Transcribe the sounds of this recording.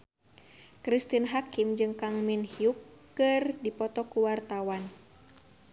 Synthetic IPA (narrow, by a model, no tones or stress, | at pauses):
kɾist̪inɦakimd͡ʒɨŋkaŋminhiukː | ɨrdipɔt̪ɔkuwart̪awan